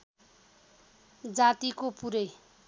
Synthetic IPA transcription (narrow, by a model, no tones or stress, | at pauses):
d͡zat̪ikopuɾʌj